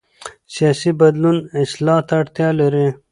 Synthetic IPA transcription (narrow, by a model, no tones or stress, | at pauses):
sijɑːsibɐd̪lunɪslɑːt̪aʈt̪jɑːlɐɾi